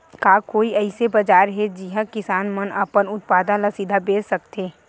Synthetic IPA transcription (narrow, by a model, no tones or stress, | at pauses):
kaːkoːiɛɪsebɐd͡ʒaːɾɦɛd͡ʒiɦãkɪsaːnmənəpənʊt̪̚paːd̪ãlasid̪ʱabeːssɐkt̪eː